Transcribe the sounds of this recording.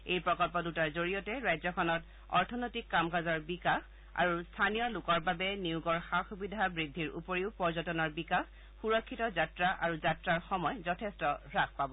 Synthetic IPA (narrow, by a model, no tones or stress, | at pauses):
ejpɹɔkɔlpɔdutaɹzoɹijɔtɛɹajzɔkʰɔnɔt | ɔ̰ɹtʰɔnojtikːamkazɔɹbikax | a̰ɹustʰanijɔlʊkɔɹbabɛniuɡɔɹxaxubidʱabɹidʱːiɹupoɹiʊpɔɹzɔtɔnɔɹbikax | xuɹɔkʰːitɔzatɹaʔaɹuzatɹaɹxɔmɔjzɔtʰestɔɹak̚ʰpabɔ